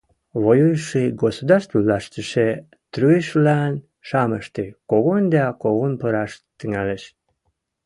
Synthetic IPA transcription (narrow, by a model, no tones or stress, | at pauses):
βojujʃiɡosod̪ɑrst̪vulɑʃt̪əʃe | t̪ɾyeʃlæn | ʃɑməʃt̪ekoɣond̪ɑkoɣonpəɾɑʃt̪əŋæleʃ